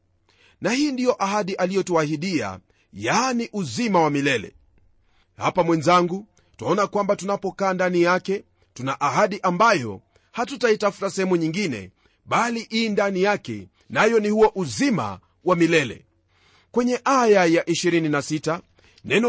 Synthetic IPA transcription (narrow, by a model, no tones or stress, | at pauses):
nahiːndijɔʔaɦaɗiʔalijɔtuahiɗia̰ | janiʔuzimawamilɛlɛ̰ | hapamwɛnzaŋɡu | taɔnakwambatunapɔkaːndanijakɛ | tunaʔaɦaɗiʔambajɔ̰ | hatutaitafu̥tasɛhɛmuɲiŋɡinɛ̰ | ɓaliʔiːndanijakɛ̰ | najɔnihuɔʔuzima̰ | wamilɛlɛ̰ | kwɛɲɛʔajajaʔiʃiɾininasita | nɛnɔ